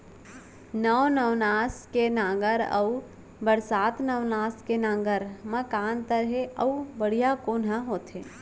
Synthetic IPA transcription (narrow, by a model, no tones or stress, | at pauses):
nəʋnəʋnaːskenãːɡəɾə̰u | bəɾsaːt̪nəʋnaːskenãːŋɡəɾməkaːnt̪əɾɦeəubəɽ̤ijakoːnɦəɦoːt̪ẽː